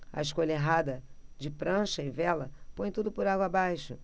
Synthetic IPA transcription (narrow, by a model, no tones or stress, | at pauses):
ɐ̰ɪʃkoʎɐeɦad̪ɐd͡ʒɪpɾɐ̃ʃɐɪvɛlɐpõj̃t̪ud̪ʊpʊɾaɡwɐaːbajʃʊ